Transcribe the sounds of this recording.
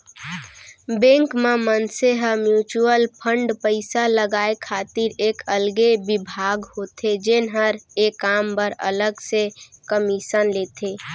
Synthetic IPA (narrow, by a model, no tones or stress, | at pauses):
bẽŋkmemənseɦəmjuːt͡ʃuəlpʰəɳɖpəɪsaləɡaːekʰaːt̪iɾeːkəlɡebɪbʱaːɡhot̪ʰed͡ʒenɦəɾekaːmbəɾə̰ləɡsekəmiʃənleːt̪ʰe